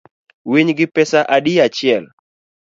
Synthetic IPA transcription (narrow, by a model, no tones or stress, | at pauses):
wiɲɡɪpɛsaʔaɗijat͡ʃɪɛl